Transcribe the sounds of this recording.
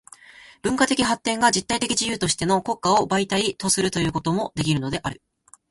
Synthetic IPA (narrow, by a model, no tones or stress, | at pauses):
b̥ɯ̟̃ŋkat̪e̞kʲiɦat̪ːẽ̞ŋɡad͡ʑit̪ːait̪e̞kʲiʑijɯ̟ːt̪o̞ɕi̥t̪e̞no̞ko̞kːao̞bait̪ait̪o̞sɨɾɯ̟t̪o̞jɯ̟ːko̞t̪o̞mo̞d̪e̞kʲiɾɯ̟no̞d̪e̞ʔaɾɯ̟